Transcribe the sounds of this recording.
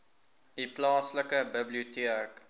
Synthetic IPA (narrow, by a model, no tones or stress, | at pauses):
diplɑːsləkəbəbliutiək